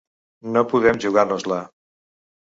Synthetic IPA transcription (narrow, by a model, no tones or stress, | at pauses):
nopuðɛmʒuɣarnuzla